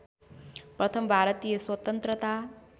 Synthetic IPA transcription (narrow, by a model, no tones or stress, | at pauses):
pɾʌt̪ʰʌmbʱaɾʌt̪ijʌswʌt̪ʌnt̪ɾʌt̪a